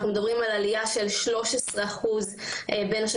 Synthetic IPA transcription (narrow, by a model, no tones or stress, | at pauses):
χnume̞d̪ɐbʁimalalijaʃe̞lʃlo̞ʃesʁeaχuzʔebe̞naʃ